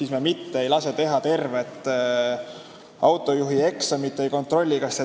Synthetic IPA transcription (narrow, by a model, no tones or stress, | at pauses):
sismiemit̪ːeejlɑse̞t̪e̞ɦɑt̪e̞rve̞t̪ːˑ | ɑwt̪ːˑo̞juɦie̞ksɑmit̪ːvejko̞nt̪ˑro̞lʲːikɑst̪e